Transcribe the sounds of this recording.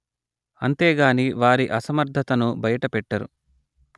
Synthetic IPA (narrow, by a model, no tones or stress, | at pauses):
ɐnt̪eːɡaːniːʋaːɾiʔɐsɐmɐɾd̪ʱɐt̪ɐnubɐjɐʈɐpɛʈːɐɾṵ